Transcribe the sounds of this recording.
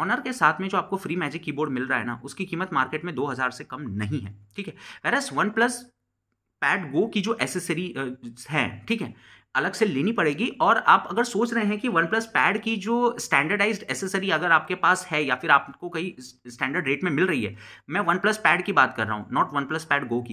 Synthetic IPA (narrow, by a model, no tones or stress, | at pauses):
ɔːnəɾkesaːt̪ʰmẽd͡ʒoːaːp̚kofɾiːmɛːd͡ʒɪkːiːboːɾɖmɪlɾɐaɦɛ̰na̰ʔʊskikiːmət̪maːɾkeːʈmẽd̪oːɦɐzaːɾsekɐmnɐɦĩɦɛ̰ːʈʰiːkɦɛʋɛːɾəsʋɐnplɐs | pɛːɖɡoːkid͡ʒoːʔɛːsesəɾiɦɛ̰̃ːʈʰiːkɦɛ̰ː | ɐləɡseleːnipɐɽeːɡiʔɔːɾaːpɐɡəɾsoːt͡ʃɾɐɦẽɦɛ̃kiʋɐnplɐspɛːɖkid͡ʒoːsʈɛ̃ːɳɖəɾɖaɪzɖɛːsesəɾiɐɡəɾaːp̚kepaːshɛjafɪɾaːpkokɐisʈɛ̃ːɳɖəɾɖɾeːʈmẽmɪlɾɐɦiɦɛ̰ː | mɛ̃ːʋɐnplɐspɛːɖkibaːt̪kɐɾːa̰ːɦũnɔːʈʋɐnplɐspɛːɖɡoːki